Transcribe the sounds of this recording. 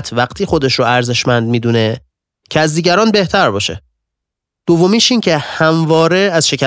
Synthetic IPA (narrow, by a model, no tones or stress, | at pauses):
t̪ʰvæqt̪ʰiːxo̞d̪e̞ʃɾoæɾze̞ʃmænd̪̚miːd̪une̞ | cʰeæzd̪iːɟæɾɒːnbe̞ht̪ʰæɾbɒːʃḛ | d̪̥ovːomiːʃiːncʰe̞hæmvɒːɾeæzʃe̞cʰæ